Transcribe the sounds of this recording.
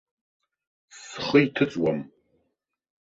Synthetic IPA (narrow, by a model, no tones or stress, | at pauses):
sχəitʰɨt͡sʼwam